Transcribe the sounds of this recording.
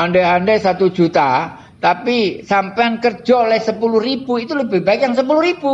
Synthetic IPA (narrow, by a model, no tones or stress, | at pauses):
andɛɦandɛsat̪u̥d͡ʒ̥ut̪a | t̪apisampɛnkərd͡ʒɔlɛhsəpuluhrib̥uit̪uləbɪhbaɪk̚jaŋsəp̬uluhɾib̥u